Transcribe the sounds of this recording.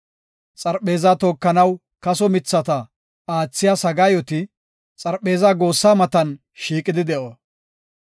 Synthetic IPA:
t͡sʼɐɾpe̞ːzaːt̪o̞ːkːɐnɐw | kɐsɔmɪt͡sːɐt̪ɐ | aːt͡sːɪjaːsɐɡaːjɔt̪ɪ | t͡sʼɐɾpːe̞ːzaːɡo̞ːsːaːmɐt̪ɐn | ʃiːkʼɪd̪ɪd̪ɛʔoː

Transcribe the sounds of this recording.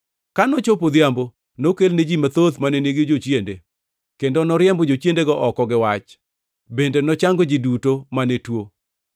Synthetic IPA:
kanɔt͡ʃopod̪jambo | nokelned͡ʒimat̪ot̪maneneɡed͡ʒot͡ʃjende | kendonɔɾjɛmbɔd͡ʒot͡ʃjendeɡɔʔɔkɔɡɪwat͡ʃ | bendenɔt͡ʃaŋɡod͡ʒidutomanetwo

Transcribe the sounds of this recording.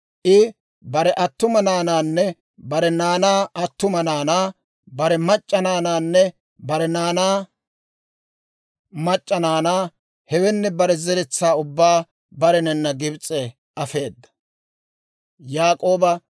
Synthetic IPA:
ʔɪ | bɐɾɛʔɐt̪ːʊmɐnaːnaːnːɛ | bɐɾɛnaːnaːɐt̪ːʊmɐnaːnaː | bɐɾɛmɐt͡ʃʼːɐnaːnaːnːɛ | bɐɾɛnaːnaː | mɐt͡ʃʼːɐnaːnaː | hɛwɛnːɛbɐɾɛzɛɾɛt͡sːaːʊbːaː | bɐɾɛnɛnːɐɡɪbt͡sʼːɛ | ʔɐfe̞ːd̪ːɐ̥ | jaːkʼo̞ːbɐ

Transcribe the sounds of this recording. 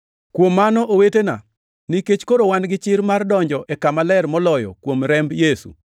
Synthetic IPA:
kwomːanɔʔowetena̰ | niket͡ʃkoɾowanɡɪt͡ʃɪɾmardɔɲd͡ʒɔʔɛkamalɛrmɔlɔjɔ̰kwomɾɛmbjesṵ

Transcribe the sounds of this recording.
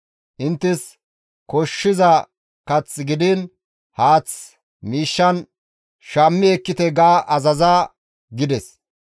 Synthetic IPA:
ʔɪnt̪ːɪs | kɔʃːɪzɐ | kɐt͡sːɡɪd̪ɪn | haːt͡s | miːʃːɐn | ʃamːɪɛkːɪt̪ɛɡaːʔɐzɐzaː | ɡɪd̪ɛs

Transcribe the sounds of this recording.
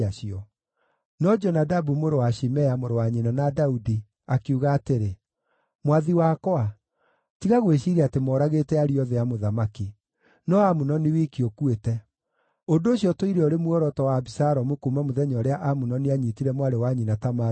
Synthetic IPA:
aʃiɔ | nɔd͡ʒɔnadabumoɾowaʃimɛamoɾowaɲinanadaudi | akeuɣaːteɾe | mwaðiwakɔa | tiɣaɣweɕiɾeatemɔːɾaɣetɛaɾiɔðɛamoðamaki | nɔamunɔniwikiokuetɛ | ondoːɕijɔtoiɾeoɾemwɔɾɔtɔwaːbisaɾɔmokumamoðɛɲɔɾeaʔamunɔneaɲitiɾɛmwaɾewaɲinatama

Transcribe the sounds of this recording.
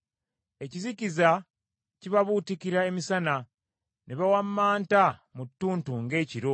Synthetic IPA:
e̞ciziciza | ciβaβutikiɾae̞misana | neβawamːaːntamutːuːntuŋɡe̞ːciɾo̞

